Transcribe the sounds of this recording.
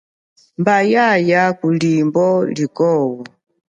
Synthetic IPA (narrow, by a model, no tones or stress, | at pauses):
mbajajakulimbɔlikɔwu